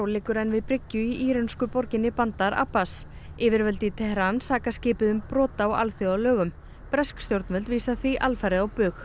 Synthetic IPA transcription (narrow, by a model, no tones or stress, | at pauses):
wlɪːkʏɾɛnːvɪðpɾɪcːʏiʔiːɾɛnskʏpɔɾcɪnɪpant̪aɾa̰ːpas | ɪːvɪɾvœlt̪ɪt̪ʰɛhɾansaːkascɪːpɪðʏmpɾɔːt̪awa̰lθjɔawlœːɣʏm | pɾɛskst̪jowɾt̪nvɛlt̪viːsaθviʔalfaɾɪðawpʏx